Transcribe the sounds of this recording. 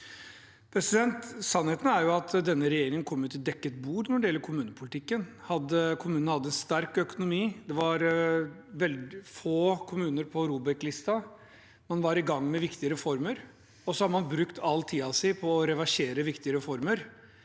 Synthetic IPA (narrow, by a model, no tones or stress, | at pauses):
pʰɾɛsɪd̪ɛnt̪sɑnːheːt̪n̩æɾjʊɑt̪d̪ɛnːəɾɛjeːɾɪŋənkʰɔmːʉt̪ːɪd̪ɛkːət̪̚buːɾnɔɖɛjɛlːəɾkʰʊmʉːnəpʰʊlɪt̪ʰɪkːənhɑd̪ːəkʰʊmʉːnnhɑd̪ːəɛnst̪æɾkœkʊnʊmiːd̪ɛʋɑɾ | ʋɛld̪ɪfoːkʰʊmʉːnəɾpʰɔɾuːbɛklɪst̪ɑ | mɑnʋɑɾɪɡɑŋːmɛʋɪkt̪ɪəɾɛfɔɾməɾ | ɔsɔhɑɾmɑnbɾʉkt̪ʰɑlt̪ʰiːɑsæɪpʰɔːɾɛʋæʂeːɾəʋɪkt̪ɪəɾɛfɔɾməɾ